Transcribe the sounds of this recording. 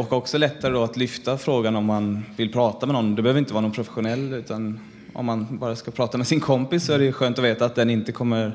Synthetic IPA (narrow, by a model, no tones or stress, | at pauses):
ɔkːɔksɔlɛt̪ːaɾəd̪ɔat̪lʏft̪afɾoːɡanɔmːanvɪlpʰɾɑːt̪amɛnɔnːd̪ɛbɛhøːvɾɪnt̪əvɑɾnunpʰɾʊfɛ̥ɧʊnɛlːʉ̟ːt̪ʰan | ɔ̰mːanbɑːɾaskapʰɾɑːt̪amɛsɪnkʰɔmpɪsːɔæɖɛɧøːnt̪ɔveːt̪aːt̪̚d̪ɛnɪnt̪əkʰɔmːəɾ